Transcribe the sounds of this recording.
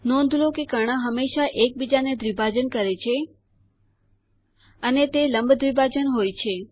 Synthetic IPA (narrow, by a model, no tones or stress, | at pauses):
nõnd̪ʱlokekəɽ̃ãɦəmːeʃaʔek̚bid͡ʒaned̪ʱɾibʱad͡ʒənkəɾet͡ʃʰe | ənet̪eləmbʱd̪ʱʋibʱad͡ʒənɦojt͡ʃʰe